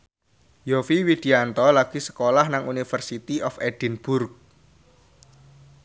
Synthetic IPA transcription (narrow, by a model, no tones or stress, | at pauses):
jɔfiwid̪̥i̤ant̪ɔlaɡ̥i̤sə̥kolahnaŋunifərsit̪iʔɔfeɖ̥i̤nb̥ʊrk̚